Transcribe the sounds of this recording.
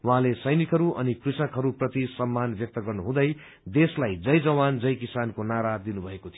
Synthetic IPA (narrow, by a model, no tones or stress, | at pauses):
waɦãlesʌjnikɦʌɾuʔʌnikrisʌkɦʌɾuprʌt̪isʌmːanbjʌk̚t̪ʌɡʌrnuɦũd̪ʌj | d̪eslajd͡zʌjd͡zʌwand͡zʌjkisankonaɾad̪inubʱʌekot̪ʰi